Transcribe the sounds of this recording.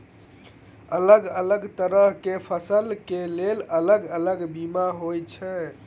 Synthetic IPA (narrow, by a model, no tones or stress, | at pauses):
ələɡələɡt̪əɾəɦkepʰəsəlkelelələɡələɡbimaɦojt͡ʃʰɛ